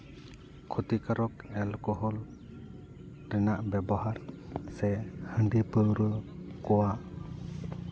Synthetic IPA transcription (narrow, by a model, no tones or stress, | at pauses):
kʰɔt̪ikaɾɔkɛlkɔɦɔl | ɾɛnaʔbɛbɔɦaɾsɛhəɳɖipəwɾɯkɔwaʔ